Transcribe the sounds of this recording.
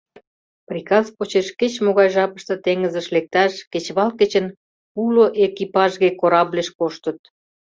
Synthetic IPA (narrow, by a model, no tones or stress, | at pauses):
prʲikɑzpot͡ɕeʃket͡ɕmoɣɑjʒɑpə̥ʃt̪ə̆t̪eŋəzəʃlek̚t̪ɑʃket͡ɕβɑlket͡ɕən | uloʔekipɑʒɣekoɾɑβleʃkoʃt̪ət̪̚